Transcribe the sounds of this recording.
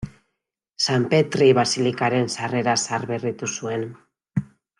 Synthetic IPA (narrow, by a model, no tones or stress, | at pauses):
sampe̞t̪ɾiβasilikaɾe̞nsare̞ɾasaɾβe̞rit̪usue̞n